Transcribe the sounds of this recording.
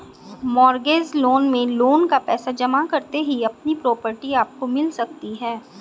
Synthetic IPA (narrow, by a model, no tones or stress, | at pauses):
mɔːɾɡeːzloːnmẽloːnkapɛːsad͡ʒɐmakɐɾt̪eɦiɐp̚nipɾɔːpəɾʈiaːp̚komɪlsɐk̚t̪iɦɛː